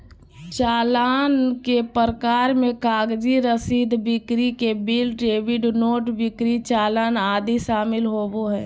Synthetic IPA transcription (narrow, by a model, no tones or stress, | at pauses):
t͡ʃaːlaːnkepəɾəkaːɾmẽkaːɡd͡ʒiɾəsiːd̪bɪkɾikebilɖɾeːʋɪɖnoːʈbɪkɾit͡ʃaːlaːnaːd̪iʃaːmɪlɦoːboɦɛː